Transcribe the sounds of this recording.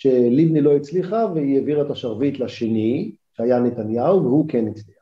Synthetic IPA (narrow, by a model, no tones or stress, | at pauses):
ʃe̞livnilo̞it͡sliχaveijeviʁet̪aʃaʁvit̪laʃeni | ʃeajanet̪anjawvehukenit͡sliaχ